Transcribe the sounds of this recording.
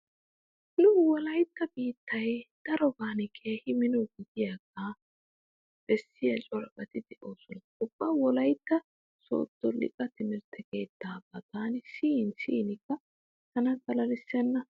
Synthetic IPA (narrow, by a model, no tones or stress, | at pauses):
nʊwɔlɐjt̪ːɐbiːt̪ːɐjd̪̥ɐɾɔbaːnɛkʰe̞ːhɪmɪnɔɡɪd̪ɪjaːɡa | b̥ɛsːɪjɐt͡ʃʼɔɾbʼɐt̪ɪd̪ɛʔoːsɔnɐʊb̥ːɐwɔlɐjt̪ːɐ | so̰ːt̪ːɔlɪ̰kʼɐt̪ɪmɪɾt̪ɛke̞ːt̪ːaːbɐt̪aːnɪsiːnsḭːnɪkːɐ | t̪ɐnɐɡ̪ɐlɐlɪsːɛnːɐ